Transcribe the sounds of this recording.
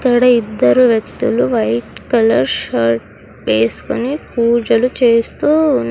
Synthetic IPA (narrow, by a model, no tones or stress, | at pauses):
kːɐɽɐid̪ːɐɾuʋjɐk̚t̪uluʋɐjʈkɐlɐɾʃɐɾʈ̚ | ʋeːsu̥konipuːɾd͡ʒɐlut͡ʃe̞ːst̪uː